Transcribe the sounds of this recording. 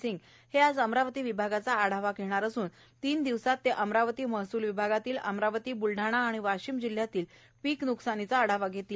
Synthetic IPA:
siŋɡ | head͡zəmɾaʋət̪iːʋibʱaɡat͡saːɽ̤aʋakeɽ̃aɾəsuːn | t̪iːnd̪iʋsat̪ːeʔəmɾaʋət̪iːməɦsuːlʋibʱaɡat̪iːlə̰mɾaʋət̪iːbulɖʱaɽ̃aːɽ̃iʋaɕiːmd͡ʑil̤jat̪iːl | piːknuksañit͡saːɽ̤aʋaɡʱet̪iːl

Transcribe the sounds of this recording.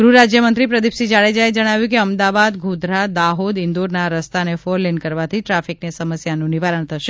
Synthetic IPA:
ɡɾuɾad͡ʒjəmənt̪ɾipɾəd̪ipsid͡ʒaɭed͡ʒaed͡ʒəɽ̃aʋjũkeəmd̪abad̪ɡʱũd̪ʱɾad̪aɦod̪ɪnd̪uɾnaɾəst̪anefoɾlːenkəɾʋat̪ʰiʈɾafiknesəməsjanũniʋaɾəɳ̃t̪ʰəʃe

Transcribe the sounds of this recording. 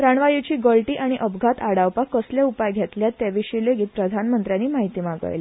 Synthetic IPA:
ɾaɳʋajut͡ɕiːɡəlʈiːʔaɽ̃iʔəbʱɡʱat̪aɽawpakəsljaupajɡʱjɛt̪ljat̪ːjaʋiɕileɡiːt̪̚pɾəd̪ʱanmənt̪ɾjanːiːmaɦit̪iːmaɡə̰jli

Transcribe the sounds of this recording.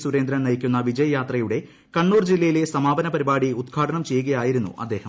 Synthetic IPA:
suɾe̞ːnd̪ɾɐnnɐjikʲːunːɐʋid͡ʑɐjɐjaːt̪rɐjuɽe̞ | kɐɳːuːrd͡ʑilːɐjile̞sɐmaːbɐnɐpɐɾibaːɽiud̪ɡʰʱaːʈʰɐɳɐmt͡ɕe̞jːuɣɐjaːjiɾunːṵʔɐ̰d̪ːe̞ːhɐ

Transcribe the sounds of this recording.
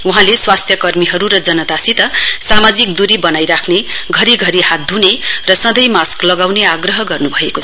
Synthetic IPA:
uɦãleswast̪ʰjʌkʌrmiɦʌɾuɾʌd͡zʌnʌt̪asit̪ʌsamad͡zikd̪uɾibʌnajɾakʰne | ɡʱʌɾiɡʱʌɾiɦat̪̚d̪ʱunerʌsʌ̃d̪ʌjmasklʌɡawneaɡrʌɦʌɡʌrnubʱʌekot͡sʰ

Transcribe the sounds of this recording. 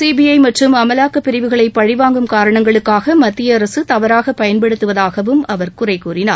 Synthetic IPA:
siːbijɐɪmɐʈrɯmɐmɐlaːkːɐpːɪɾɪʋɯɣɐɭɐɪpːɐɽɪʋaːŋɡɯmkaːɾɐɳɐŋɡɐɭɯkːaːɣɐmɐt̪ːɪjɐɐɾɐsɯt̪ɐʋɐɾaːɣɐpɐjɐnpɐɽɯt̪ːɯʋɐðaːɣɐʋɯmɐʋɐɾkʊrɐɪkuːrɪnaːɾ

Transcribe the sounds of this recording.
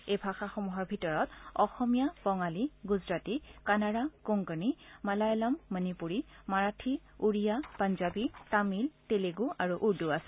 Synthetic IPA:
ejbʱaxaxɔmuɦɔɹbʱitɔɹɔtɔxɔmijabɔŋaliɡuzɹatikanaɹakʊŋkənimalajɔlamːənipuɹimaɹatʰi | uɹijapanzabitamilteleɡuʔaɹuʔuɹduasɛ̥

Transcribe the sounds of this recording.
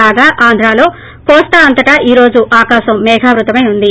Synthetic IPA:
aːɡaːʔaːnd̪ʱɾaːlo̞ː | kɔːst̪ɐːnt̪ɐʈɐʔiːɾo̞ːd͡ʒuʔaːkaːʃɐmːɛːɡʱaːʋɾut̪ɐmɐjund̪i

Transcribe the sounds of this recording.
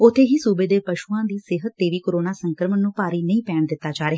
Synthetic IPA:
ʊt̪ʰːeːɦiːsuːbeːd̪eːpəʃuːãːd̪iːsɪɦət̪ːeːʋiːkoɾoːnaːsəŋkəɾmənːũːpaːɾiːnəĩːpɛːɳd̪ɪt̪ːaːd͡ʒaːɾeːɦ

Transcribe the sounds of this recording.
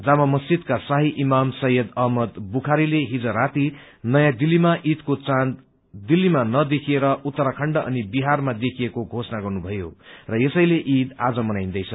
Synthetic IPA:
d͡zamamʌst͡sid̪kasaɦiʔimamsʌɦjʌd̪ʌɦmʌd̪bukʰaɾileɦid͡zʌɾat̪i | nʌjãd̪ilːimaʔid̪kot͡sãn | d̪ilːimanʌd̪ekʰieɾʌʔut̪ːʌɾakʰʌɳɖʌʔʌ̰nibiɦarmad̪ekʰijekoɡʱosʌnaɡʌrnubʱʌjo̰rʌjesʌjleʔid̪ad͡zʌmʌnajnd̪ʌjt͡sʰʌ

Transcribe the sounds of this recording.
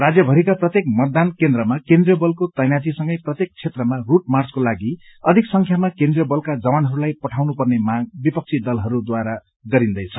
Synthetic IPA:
rad͡zjʌbʱʌɾikaprʌt̪jekmʌt̪̚d̪ankend̪ɾʌmakend̪rijʌbʌlkot̪ʌjnad͡zisʌŋɡʌjprʌt̪jek̚t͡sʰet̪rʌmaruʈ̚mart͡skolaɡiʌd̪ʱiksʌŋkʰjamakẽnd̪rijʌbʌlkad͡zʌwanɦʌɾulajpʌʈʰawnupʌrnemaɡ̚bipʌk̚t͡sʰid̪ʌlɦʌɾud̪waɾa | ɡʌɾind̪ʌjt͡sʰʌ

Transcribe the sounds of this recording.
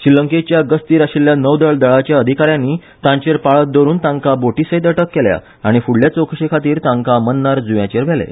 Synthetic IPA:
ɕiləŋket͡ɕjaɡəst̪iːɾaɕiljanəwd̪əɭd̪əɭat͡ɕjaəd̪ʱikaɾjãnːi | t̪ãɲt͡ɕeɾpaɭət̪̚d̪əɾuːnt̪ãŋkaboʈisəjt̪əʈəkːelja̰ | aɽ̃ifuɽljat͡sokʰɕekʰat̪iːɾt̪ãŋkamənːaɾd͡zujãt͡ɕeɾʋ̤ɛlḛ

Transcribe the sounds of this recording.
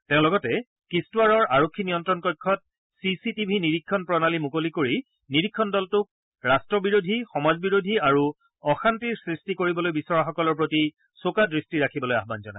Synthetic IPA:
tɛʊ̃lɔɡɔtɛ | kistuwaɹɔɹaɹokʰːinijɔntɹɔnkɔjkʰːɔt̚ | sisitibʱiniɹikʰːɔnpɹɔnalimukolikoɹi | niɹikʰːɔndɔltʊk̚ | ɹastɹɔbiɹodʱixɔmazbiɹodʱiaɹu | ɔxantiɹsɹistikoɹibɔlojbisɔɹaxɔkɔlɔɹp̬ɹoti | sokadɹistiɹakʰibɔloja̰ɦbanzɔna̰j

